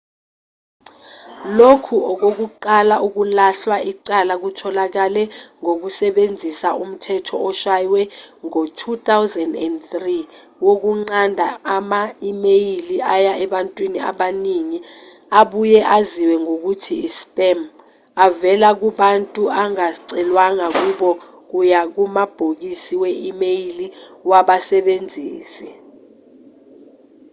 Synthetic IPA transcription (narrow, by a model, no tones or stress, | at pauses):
lokʰuɔk̬ok̬uǃalaʔuk̬ulaɬwaiǀalak̬utʰɔlak̬alɛŋok̬usɛɓend͡zʱisaʔum̩tʰɛtʰɔɔʃajwɛŋotʰut̪awzɛndɛ̰ndtri | wok̬uŋ͡ǀandʱaamaimejiliʔajaɛɓantʼwinia̰ɓaniŋi | aɓujɛʔaziwɛŋok̬utʰiːspʼɛm | avɛlak̬uɓantʼuaŋaǀɛlwaŋak̬uɓɔ | k̬ujak̬umab̥ʱok̬isiwɛʔimejiliwaɓasɛɓend͡zʱiːsi